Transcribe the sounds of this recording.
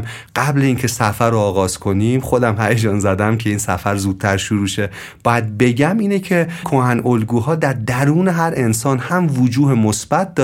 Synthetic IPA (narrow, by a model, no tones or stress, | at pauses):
ɢ̥æbleiːncʰe̞sæfæɾoːɣɒːz̥kʰo̞niːmχo̞d̪æmhæjed͡ʒɒːnzæd̪æmkʰe̞iːnsæ̰fæɾzuːd̪̥̚t̪ʰæɾʃuɾuːʃe̞ | b̥ɒːjæd̪̚be̞ɟæmiːnecʰekʰohænolɡuːɦɒːd̪æɾd̪æɾuːneɦæɾʔe̞nsɒːnhæmvod͡ʒuːɦemosb̥æt̪̚ʰd̪ɒː